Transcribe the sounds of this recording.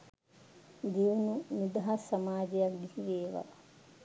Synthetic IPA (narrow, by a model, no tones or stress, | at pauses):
d̪iununid̪ɐɦɐsːɐmaːd͡ʒejak̚ɡihiʋeːʋa̰